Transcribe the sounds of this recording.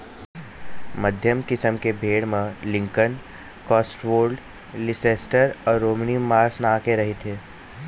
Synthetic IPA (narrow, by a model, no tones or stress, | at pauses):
mɐd̪ʱjəmkɪsəmkebʱeːɽmẽlɪ̃ŋkən | kɔːsʈʋoːɾɖ | lɪseːsʈəɾɔːɾːoːmnimaːɾsnaːkeɾɐɦet̪ʰeː